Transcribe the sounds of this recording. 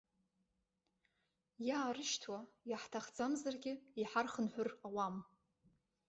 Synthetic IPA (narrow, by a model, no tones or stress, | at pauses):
jaːɾɨʃtʰwajaħtʰaχd͡zamzarɡʲɪiħarχənħʷᶣʊrawam